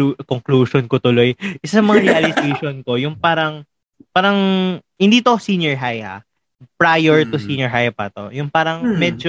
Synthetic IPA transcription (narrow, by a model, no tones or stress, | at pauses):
koŋkluːʃonkot̪ʊlo̞jʔɪsaɐmɐŋaɾɛʔɐlɪsejʃonko̞jʊŋpaːɾɐŋ | paːɾɐŋhɪnd̪iːt̪osinjɛɹɦaja̰ | pɹajɛɹt̪ʊsiːnjɔɹɦajɐpat̪o̰jʊŋpaːɾɐŋmɛd͡ʒo